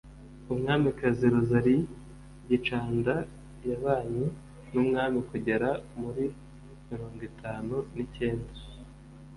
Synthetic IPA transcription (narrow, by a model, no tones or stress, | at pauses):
umŋaːmikaziɾozaɾi | ɟit͡ʃaːnda | jaβaːɲi | numŋaːmikuɟeɾamuɾi | miɾo̞ːŋɡwitʰaːnunice̞ːnda